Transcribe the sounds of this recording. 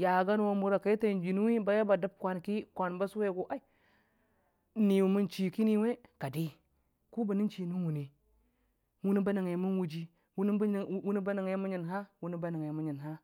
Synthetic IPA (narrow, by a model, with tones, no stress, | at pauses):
ja˨ɡa˦n˦wo˦mu˨ɾa˨ka˨i˦ta˨n˨d͡ʒi˨nu˦wi˦ba˨ja˦ba˨da˦b̚kʷa˨nki˦kʷa˨nba˦swe˦˨ɡo˨ʔa˦i˦˨ | ni˨wu˨mu˦nt͡ʃi˨ki˦ni˨we˦ka˨di˦ | ku˦ba˨ni˦t͡ʃi˨nu˦u˨ne˨ | wu˦ni˦ba˦na˨ŋe˨˦mu˦nwu˦d͡ʒi˦˨˦ | u˦n˦ba˦na˨ŋ˨˦mu˦ɲi˨nɦa˦wu˦ni˦ba˦na˨ŋe˨mu˦ɲi˨nɦa˦